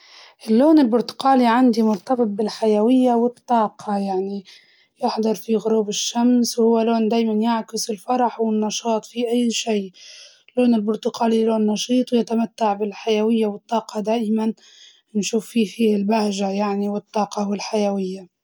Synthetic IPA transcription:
ʔɪlːoːnɪlbʊɾt̪ʊ̥qaːliʕand̪imʊɾt̪ɑbɨt̪̚ˤbɪlħajawɪjːawɪt̪ˤːɑːqʰɑjaʕni | jɪħd̪ˤɑɾˤfiɣʊɾuːbɪʃːamswhʊwːaloːnd̪aːjmanjaʕkɪsɪlfɑɾˤɑħwɪnːɑʃɑːt̪ˤfiʔajːʃiː | lːoːnɪlbʊɾt̪ʊqʰaːliloːnːɑʃiːt̪ˤwjat̪amat̪ːaʕbɪlħajawɪjːawɪt̪ˤːɑːqɑd̪aːʔman | nʃuːfːiːfiːhɪlbahʒajaʕniwɪt̪ˤːɑːqɑwɪlħajawɪjːa

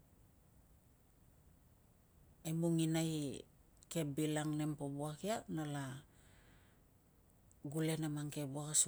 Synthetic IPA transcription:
emuŋinaj | ke̞bilaŋne̞mpobuakianala | ɡule̞namaŋke̞buakas

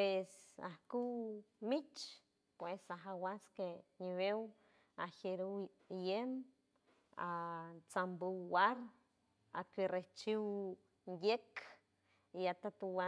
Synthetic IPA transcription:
pesa̰hkuwmit͡ʃ | pwesaɦawaskeɲiβew | aheɾu | jem | at͡sambuwwaɾ | a̰kereht͡ʃiw | njek | iat̪at̪uwa

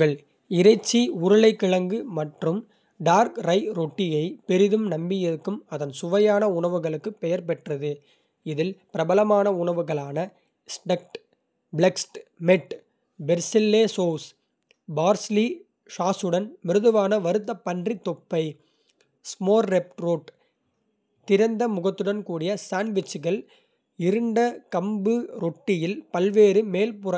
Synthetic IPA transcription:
ɐɭ | ɪɾɐɪt͡ʃːiʊɾɐɭɐɪkːɪɭɐŋɡɯmɐʈrɯm | ɖaːɾkɾɐɪɾoːʈːɪjɐɪpɛɾɪðɯmnɐmbɪjɐðɯkːɯmɐðɐnsʊʋɐjaːnɐʊɳɐʋɯɣɐɭɯkːɯpːɛjɐɾpɛʈrɐðɯ | ɪðɪlpɪɾɐbɐlɐmaːnɐʊɳɐʋɯɣɐɭaːnɐ | sʈɐk̚ʈ | bɭɛksʈmɛʈ | bɛɾsɪlːeːsoːs | baːɾsli | ʂaːsɯɽɐnmɪɾɯðɯʋaːnɐʋɐɾɯt̪̬ːɐpːɐɳdrit̪ːɔpːɐɪ | smoːɾːɛp̚ʈɾoːʈ | t̪ɪɾɐnd̪ɐmʊɣɐt̪ːɯɽɐnkuːɽɪjɐsaːɳɖʋɪt͡ʃːɯɣɐɭ | ɪɾɯɳɖɐkɐmbɯɾɔʈːɪjɪlpɐlʋeːɾɯmeːlpʊɾɐ

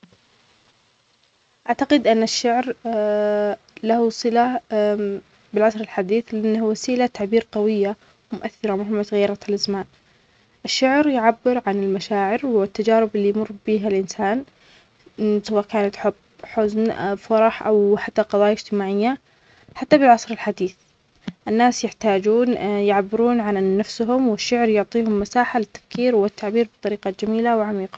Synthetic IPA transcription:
ʔaʕt̪aqɪd̪ʔɪnːaʃːaʕɾ | lahusˤɨla | bɪlʕasɾɪlħad̪iːθlɪʔanːahawasiːlat̪aʕbiːɾqɑwɪjːa | wmʊʔaθːɪɾˤɑmaɦɪmːasɣajːɑɾˤɑt̪alʔazmaːn | ʔɪʃːaʕɾjʕabːɪɾʕanɪlmaʃaːʕɪɾwɪt̪ːad͡ʒaːɾɪbɪlːiːjmʊrˤːbiːɦalʔɪnsaːn | sawaːʔkaːnat̪ħʊbːħʊznfɑɾˤɑħʔawħat̪ːaqɑðˤɑːjaɪd͡ʒt̪ɪmaːʕɪjːa | ħat̪ːabɪlʕɑsˤɾɪlħad̪iːθ | ʔɪnːaːsjɪħt̪aːd͡ʒuːnjɪʕabːɪɾuːnʕanːafsɦʊmwɪʃːʊʕɾjʊʕt̪ˤiːhʊmːasaːħalɪt̪ːḁfkiːɾwɪt̪ːaʕbiːɾbɨt̪ˤɑɾiːqɑd͡ʒamiːlawʕamiːqɑ̥

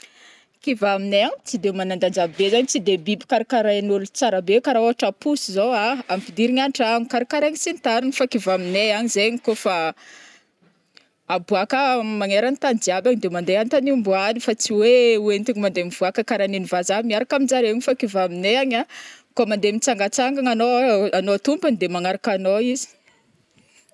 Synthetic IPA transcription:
kivamineaɲt͡sid̪emanand̪and͡ʒabezaɲit͡sid̪ebibi̥kaɾakaɾajanulut͡saɾabekaɾauaʈ͡ʂapusizowaampid̪iɾiɲanʈ͡ʂaɲikaɾakaɾaɲisint̪aɾunfakivamineaɲizeɲikofa | abuakəmaŋeɾanit̪and͡ziabaɲid̪emand̪eant̪aniumbuanifat͡siwewent̪iɲimand̪emiv̥uakəkaɾaninivazamiaɾakamind͡zaɾeɲifakivamineaɲakomand̪emit͡saŋɡat͡saŋɡaŋanoanot̪umband̪emaŋaɾakanoizi̥

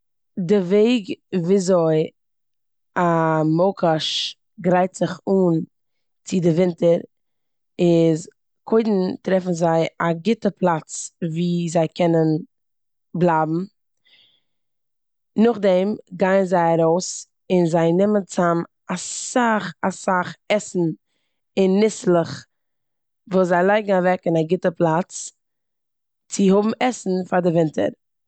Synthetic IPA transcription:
dɪveɪɡviːzoɪ | amoʊkaʃ | ɡɾaɪtz̥ɪχuːn | t͡sɪdɪvɪntəɾ | ɪz | kʰoɪdn̩tɾɛfn̩zaɪaɡɪtəpʰlˠat͡sviːzaɪkʰɛnən | blˠaːbm̩ | nʊχdɛmɡaɪnzaɪaɾoʊs | ɪnzaɪnɪmənt͡sam | asaχasaχɛsn̩ | ɪnːɪslˠəχ | vuːszaɪlˠaɪɡŋ̩avɛkɪnaɡɪtəplˠat͡s | t͡sɪhʊbm̩ɛsn̩faɾdɪvɪntʰə̰ɾ

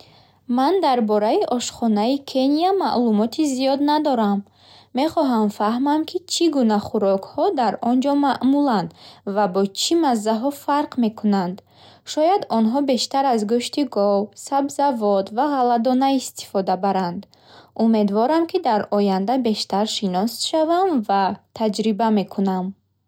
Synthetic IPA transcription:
mand̪aɾbɔɾaiʔɔʃχɔnaikʰe̞niama̰ʔlumɔt̪ʰizijɔd̪nad̪ɔɾamː | e̞χɔɦamfaɦmamkʰit͡ʃʰiɡunaχuɾɔkhɔd̪aɾɔnd͡ʒɔmaʔmuland̪vabɔt͡ʃʰimazːaɦɔfaɾqme̞kunand̪ | ʃɔjad̪ɔnɦɔbe̞ʃt̪aɾazɡuʃt̪iɡɔwsabzavɔt̪vaʁalad̪ɔnaist̪ʰi̥fɔd̪abaɾand̪ | ume̞d̪vɔɾamkʰid̪aɾɔjand̪abe̞ʃt̪aɾʃinɔsʃavamvat̪ʰad͡ʒɾibame̞kʰunam

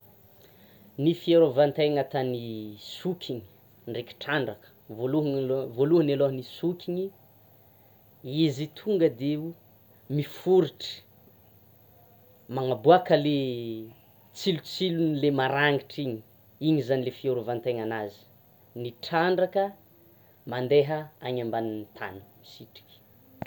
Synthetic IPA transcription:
nifieɾovant̪ajŋat̪anisukʲʰiɲi̥ | ɳɖ͡ʐekʲi̥ʈ͡ʂaɳɖ͡ʐakə̥voluɦvoluɦəneloɦənisukʲiɲi | izit̪ʰuŋɡəd̪eu | mifuɾiʈ͡ʂə̥ | maŋabuakəle | t͡silut͡silunilemaɾaŋiʈ͡ʂiɲi | iɲizanilefioɾuvant̪eŋanazi̥ | niʈ͡ʂaɳɖ͡ʐakə | mand̪eɦəaɲambanint̪ʰa̰nu̥misiʈ͡ʂi̥kʲi̥

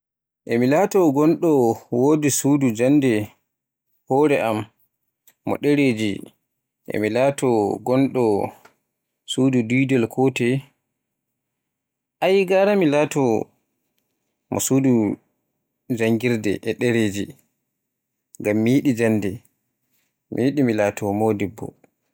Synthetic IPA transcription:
ʔemilaːtɔɡɔnɗɔwodisuːdud͡ʒandɛ | hɔɾɛʔamː | ɔ̰ɗɛɾeːd͡ʒḭ | ʔḛmilaːtɔɡɔnɗɔ | suːdudujdɔlkʰɔtɛ | ʔajɡaɾamilaːtɔ | mɔ̰suːdu | d͡ʒaŋɡiɾdɛ̰ʔɛɗɛɾed͡ʒi | ŋɡamːijiɗid͡ʒandɛ | mḭjiɗimilaːtʰɔmodibːɔ̰

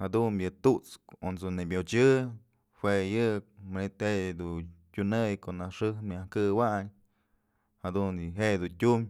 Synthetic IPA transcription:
had̪unjɨt̪ut͡skonsonebʲot͡ʃɨ | hwejɨk̚manit̪hed̪utʲunɨjkoʔnaʂɨhmʲahkɨwaɲ | had̪unɨɦeʔd̪untʲum

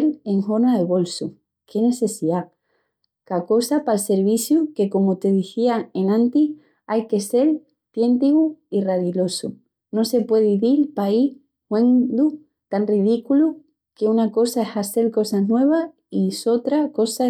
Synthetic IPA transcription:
le̞ŋho̞naðeβo̞lsu | kʰe̞ne̞se̞siða | kako̞sapalse̞ɾβiθjuke̞ko̞mot̪e̞ð̞iθiae̞nãnt̪i | ajke̞se̞l | t̪je̞nt̪iɣuiraðilo̞sṵ | no̞se̞pwe̞ðiðilpai | hwẽnd̪u | t̪anriðikulu | ke̞unako̞saehase̞lko̞saɦnwe̞β̞a | iso̞t̪ɾako̞sa

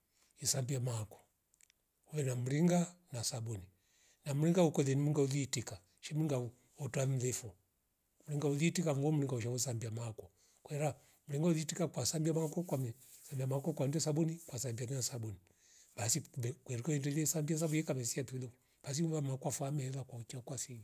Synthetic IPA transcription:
isambiamakɔ̥ | uwɛnamuɾiŋɡanasabuni | nam̩ɾiŋɡaukwɛðɛnimiŋɡauðitika | ʃɛm̩uɾiŋɡau | ɔtwam̩lɛfɔ | m̩uɾiŋɡauðitikam̩ɡɔm̩ɾiŋɡauʃ̬ausambiamakɔ | kwɛɾa | muɾiŋɡauðitikakwasambiamakɔkwamɛ | sambiamakɔkwandɛsabunikwasambianinasabuni | basibɛkwɛɾikɔɛntɛlɛsambias̬abujɛkamɛsiatuilɔ | b̥as̬iuvamakwafamɛɛðakwaut͡ʃakwasiɡi

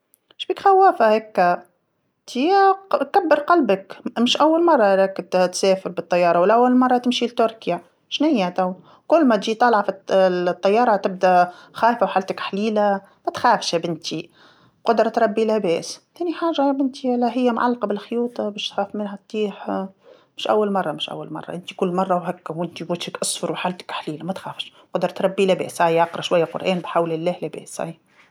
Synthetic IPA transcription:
mʃbiːkxæwːæːfahækː | t̪ikabːəɾqɑlbəkmɪʃʔawːalmɑrˤːɑɾækt̪sɛːfɪɾbɪt̪ˤːɑjːɑːɾˤɑwɪlʔawːalmɑrˤːɑt̪ɪmʃilt̪ʊɾkja | ʃnɪjːat̪aw | kʊlːmæt̪ʒiːt̪ˤɑlʕɑft̪ˤːɑjːɑːɾˤɑt̪ɪb̚d̪æxæːjfawħalt̪akħliːla | mæt̪xæːfʃbɪnt̪ʰi | qʊd̪ɾˤɑt̪ɾˤɑbːilæbɛːst̪æːniħaːʒabɪnt̪ialːæɦɪjːæmʕa̰lːqɑbɪlxjuːt̪ˤɑbɛːʃt̪xaːfmɪnɦæt̪̚ˤːiːħ | mɪʃʔæ̰wːalmɑrˤːɑmɪʃʔa̰wːa̰lmɑ̰rˤːɑ̰ʔɪnt̪ikʊlːmɑrˤːɑwɦækːæwɪnt̪iwɪt̪ʃɪkʔɑsˤfʊɾwħaːlt̪ɪ̥kħliːlamæt̪xæːfʃ | qʊd̪ɾˤɑt̪ɾˤɑbːilæbɛ̰ːshajʕɑqɾˤɑʃwajːaqʊ̰ɾʔæːnbħawlɪlːæːhlæbɛ̰ːsha̰j

